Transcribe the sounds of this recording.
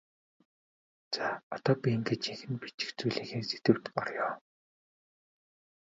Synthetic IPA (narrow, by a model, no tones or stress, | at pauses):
t͡saːɔt̪ɔːpʲiiŋɡet͡ɕiŋxɘ̆npit͡ɕɪ̥̆xt͡sujɮiːxeːset̪ɘ̆w̥t̪ɢɔrjɔː